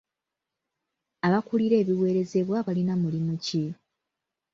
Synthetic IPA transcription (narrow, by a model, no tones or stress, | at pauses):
aβakuliɾe̞ːβiwe̞ːɾe̞ze̞βwaːβalinamulinuci